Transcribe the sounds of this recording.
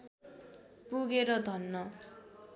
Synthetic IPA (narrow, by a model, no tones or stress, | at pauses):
puɡeɾʌd̪ʱʌnːʌ